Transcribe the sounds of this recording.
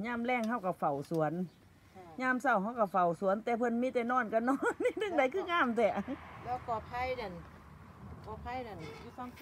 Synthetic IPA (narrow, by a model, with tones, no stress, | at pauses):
ɲaː˧˥˨mlɛː˧˥˨ŋɦa˧˥˨wka˧˩fa˨˩wsu˨˦ən | ɲaː˧˥˨msa˧˩wha˧˥˨wka˧˩fa˨˩wsu˨˦nt̪ɛː˧˦pʰɤ˧˥˨nmiː˧˥˨t̪ɛː˧nɔː˧˥˨nka˧˩nɔː˧˥˨ndɯ˧˩ŋda˧˨˦jkʰɯː˧˨ŋaː˧˥˨mt̪ɛː˧˩lɛː˧˩wkɔː˧˩pʰa˧˥˨jda˧˩n | kɔː˧˩pʰa˧˥˩jda˧˩nu˧a˧